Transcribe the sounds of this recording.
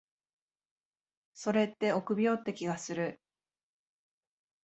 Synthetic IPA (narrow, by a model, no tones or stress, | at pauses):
so̞ɾe̞t̪ːe̞o̞kɯ̟bʲio̞t̪ːe̞kʲiɡasɨɾɯ̟